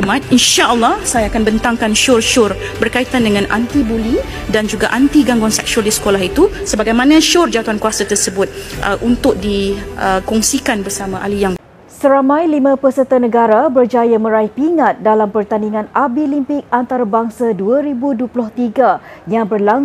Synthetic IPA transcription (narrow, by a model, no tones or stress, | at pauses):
mat̪̚inʃaʔəlːɔhsajaːkanbənt̪aŋkanʃʊrʃʊr | bərkait̪andəŋãnʔa̰nt̪ibuli | dand͡ʒuɡaʔant̪iɡaŋɡaŋsɛ̰k̚ʃaldisə̥kolaɦit̪usəbaɡajmanãʃʊrd͡ʒawat̪uankuasat̪ərsəbʊt̪̚ʔəʔunt̪ʊk̚diəkɔŋsikanbərsamãʔalijaŋ | səɾamãjlimə̃pəsət̪ənəɡaɾabərd͡ʒajamə̃ɾaihpiŋat̪̚dalampərt̪aniŋãnʔabilimpɪk̚ant̪aɾabaŋsaduaɾibuduəplʊht̪iɡajaŋbərla